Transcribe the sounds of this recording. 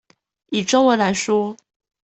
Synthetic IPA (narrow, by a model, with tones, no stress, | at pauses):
i˨˩ʈ͡ʂo˥ŋwə˧˥nla˧˥ɪʂwɔ˥